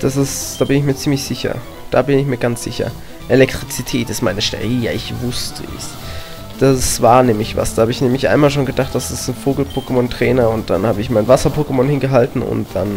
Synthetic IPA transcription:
d̥asɪsd̥aːbɪnɪçmiːɐt͡siːmlɪçz̥ɪçɐ̰ | d̥aːbɪnɪçmiːɐɡant͡sz̥ɪçɐ̰ | ʔelɛk̚tʁ̥it͡sitʰɛːtɪstmaɪnəʃtɛ̰ʁiːja̰ɪçvʊstʰəɛ̰s | d̥asv̥aːɐnɛːmɪçva̰sd̥aːhaːbəɪçnɛːmɪçʔa̰ɪnmaːlʃ̬oːnɡədaχt̚d̥asɪstn̩foːɡl̩pʰoːkəmɔntʁ̥ɛːnɐʊnt̚d̥anhaːbəɪçmaɪnvasɐpʰoːkəmɔnhɪnɡəɦaltn̩ʊ̰nt̚d̥an

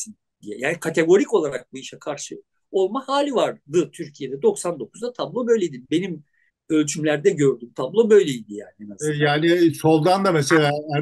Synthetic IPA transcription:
in | d̪ijɛ̰jaːnikʰat̪ʰe̞ɡo̞ɾico̞lˠaɾak̚bujiʃɛkʰaɾʃɯ | o̞lˠmahaːlʲivaɾd̪ɯt̪ʰyɾcʰijed̪ɛd̪o̞ksand̪o̞kʰu̥zd̪at̪ʰablˠo̞bø̞jlʲed̪inbe̞nim | ølʲt͡ʃʰymlʲæɾd̪ɛɟø̞ɾd̪ymt̪ʰablˠo̞bø̞jlʲeijd̪ija̰ːniɛnazjaːniso̞lˠd̪and̪ameselʲaːæ

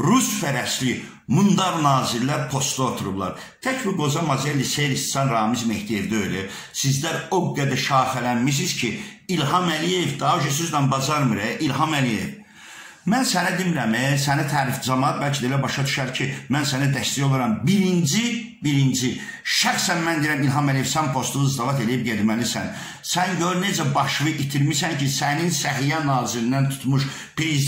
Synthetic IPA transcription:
ɾusfæɾæsli | mund̪ɑɾnɑːziɾlæɾpʰo̞st̪lˠuot̪ʰuɾublˠɑ̰ɾ | t̪ʰæcbiɡo̞zɑmɑzelisejɾist̪sɑnɾɑːmizmeht̪ijevd̪øjlæ | sizd̪æɾo̞ɡæd̪æʃɑːfælænmis̬iz̥cʰi | ilɦɑmælijevd̪ɑːd͡ʒøsyzd̪ænbɑzɑɾmɯɾɛʔilɦɑmælijḛv | mænsænæd̪imɾæmɛsænæt̪ʰæːɾifd͡ʒɑmɑɑt̪̚bælcʰid̪elæbɑʃɑd̪y̥ʃæɾcʰimænsænæd̪æst̪æjolˠɑɾɑmbiɾind͡ʒi | biɾind͡ʒi | ʃæxsænmænd̪ieɾæmilɦɑmælije̞vsænpʰo̞st̪unzd̪ɑvɑt̪e̞lijib̚ɟed̪mælisæ̰n | sænɟøɾne̞d͡ʒæbɑʃvɯʔit̪ʰiɾmisæncʰisæninsæɦijænɑːziɾind̪ænt̪ʰu̥t̪ʰmuʃ | pɾiz

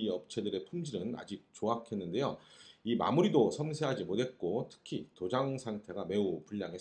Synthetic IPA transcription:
ʌp̚t͡ɕʰe̞dɯɾe̞pʰumd͡ʑiɾɯna̰d͡ʑik̚t͡ɕoakʰe̞nːɯnde̞joima̰muɾidosʰʌmsʰe̞ɦad͡ʑimot̚ɦe̞t̚k͈otʰɯ̥kʰitod͡ʑaŋsʰaŋtʰe̞ɡame̞upuʎːaŋɦes

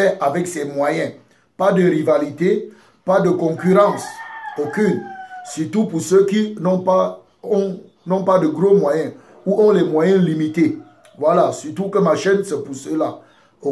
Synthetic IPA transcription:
ɛʔavɛksɛmwajɛ̃ | pad̪əʁivalit̪e | pad̪əkɔ̃kyʁɑ̃sokynsyʁt̪upuʁsøkinɔ̃pa | ɔ̃ | nɔ̃pad̪əɡʁomwajɛ̃ | uʔɔ̃lɛmwajɛ̃limit̪e | vwalasyt̪ukəmaʃɛnsəpuʁsəla | o

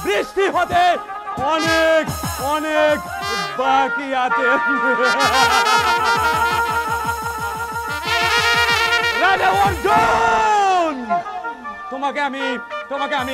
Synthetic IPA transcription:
bɾɪsʈiɦot̪e | ɔnekɔnek | bakiat̪e | ɾaɪʈeʋɔɾd͡ʒo | n | t̪ʊmakeɐmit̪ʊmakeɐmi

